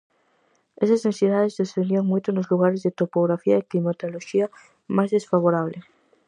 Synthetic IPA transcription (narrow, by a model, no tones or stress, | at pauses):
esaznesiðaðezðesθend̪iaŋmujt̪onozluɣ̞aɾezðet̪opoɣɾafiaiklimat̪oloʃia | mazðesfaβ̞oɾaβ̞le